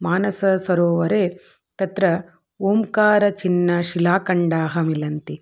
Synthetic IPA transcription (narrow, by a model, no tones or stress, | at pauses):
maːnɐsɐsɐɾoːʋɐɾeː | t̪ɐt̪ɾɐ | oːmkaːɾɐt͡ʃinːɐʃilaːkɐɳɖaːɦɐmilɐnt̪i